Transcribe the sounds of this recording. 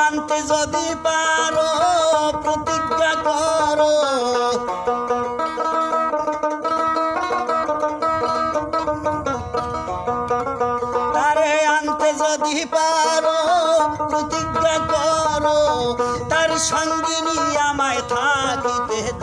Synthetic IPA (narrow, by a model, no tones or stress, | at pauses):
ant̪ed͡ʒɔd̪ipaɾopɾot̪iɡakɔɾo | t̪aɾeant̪ed͡ʒɔd̪ipaɾopɾot̪iɡakɔɾot̪aɾʃɔŋɡiniamajt̪ʰad̪it̪e